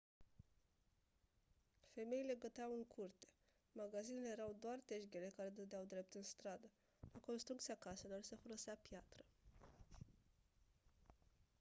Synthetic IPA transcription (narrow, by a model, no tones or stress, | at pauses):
fe̞me̞ile̞ɡət̪eawɨŋkʰurt̪e̞̥ | maɡazinelejeɾawd̪oart̪e̞ʃɡʲele̞kaɾe̞d̪əd̪eawd̪ɾe̞p̚t̪ɨnst̪ɾad̪ə | lako̞nst̪ɾukt̪siakase̞lo̞rse̞folo̞seapjat̪ɾə